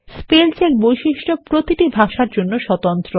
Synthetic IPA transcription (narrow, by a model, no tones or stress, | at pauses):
spelsekbojʃiʃʈopɾot̪iʈibʱaʃaɾd͡ʑonːoʃɔt̪ont̪ɾo